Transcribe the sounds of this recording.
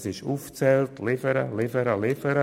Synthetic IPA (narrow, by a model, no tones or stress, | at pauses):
sɪʃuːft͡sɛltʰlɪfəɾəlɪfəɾəlɪfəɾə